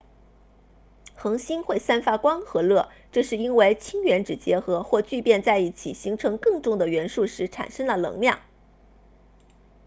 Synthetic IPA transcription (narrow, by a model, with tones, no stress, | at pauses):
xɤ˧˥ŋɕi˥nxwe˥˩ɪsa˥nfa˥kwɑ˥ŋxɤ˧˥lɤ˥˩ | ʈ͡ʂɤ˥˧ʂɻ̩˥˩i˥nwe˥˩ɪt͡ɕʰi˥ŋɥɛ˧˥nʈ͡ʂɻ̩˨˩t͡ɕjɛ˧˥xɤ˧˥xwɔ˥˧t͡ɕy˥˧pjɛ˥˧nt͡sa˥˧ɪi˥˩t͡ɕʰḭ˨˩ɕi˧˥ŋʈ͡ʂʰɤ˧˥ŋkɤ˥˧ŋʈ͡ʂʊ˥˩ŋd̪ə˩ɥɛ˧˥nʂu˥˩ʂɻ̩˧˥ʈ͡ʂʰa̰˨˩nʂɤ˥ŋlə˨lɤ̰˧˥ŋljɑ̰˥˩ŋ